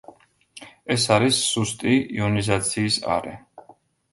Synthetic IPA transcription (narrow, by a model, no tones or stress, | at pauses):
ɛsaɾisːust̪ʼiiɔnizat̪sʰiːsa̰ɾɛ